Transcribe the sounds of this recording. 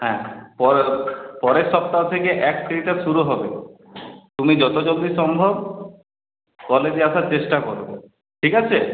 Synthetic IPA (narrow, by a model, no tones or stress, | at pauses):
ɦɛ̃pɔpɔɾeʃɔp̚t̪aot̪ʰekeʔɛkt̪ʰɾiʈaʃuɾuɦɔbe | t̪umid͡ʑɔt̪od͡ʑod̪iʃɔmbʱob̚ | kɔled͡ʑiaʃaɾt͡ɕeʃʈakɔɾo̰ | ʈʰikat͡ɕʰe